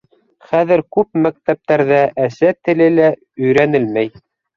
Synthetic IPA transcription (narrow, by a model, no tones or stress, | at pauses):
χæðɘɾkʉp̚mæk̚t̪æp̚t̪æɾðæʔæsæt̪ɘ̆lɘlæ | ɵ̆jɾænɘlmæj